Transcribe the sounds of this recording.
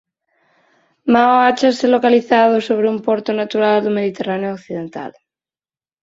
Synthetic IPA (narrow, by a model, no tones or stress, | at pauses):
maoat͡ʃaselokaliθað̞osoβ̞ɾeumpoɾt̪onat̪uɾald̪omeð̞it̪eraneookθiðẽnt̪a̰l